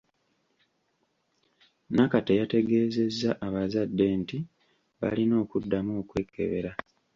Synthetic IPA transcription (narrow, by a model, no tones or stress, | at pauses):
nakatejate̞ɡe̞ːze̞zːaʔaβazadːe̞nti | βa̰lino̞ːkudːamuːkwe̞ːkʰːe̞̰βe̞ɾa